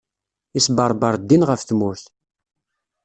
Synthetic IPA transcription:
isbəɾˤbəɾˤd̪ːinʁəfθmʊθ

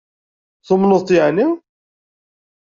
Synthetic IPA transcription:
θʊmnoðˤt̪ˤjʕni

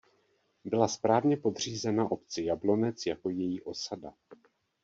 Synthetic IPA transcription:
bɪlaspɾaːvɲɛpo̞d̪r̝iːzɛnaʔo̞pt͡sɪjablo̞nɛt͡sjako̞jɛjiːʔo̞sada

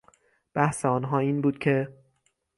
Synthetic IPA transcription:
b̥æhseɒːnɦɒːiːnbuːd̪̥̚cʰe̞

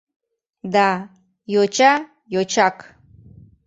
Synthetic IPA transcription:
da | jot͡ʃʰa | jot͡ʃʰakʰʼ

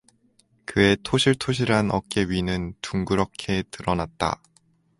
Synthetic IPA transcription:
kɯe̞tʰoɕʰiɭtʰoɕ̬ʰiɾanʌ̰k̚k͈e̞ɥinɯntuŋɡuɾʌkʰe̞tɯɾʌnat̚t͈a̰

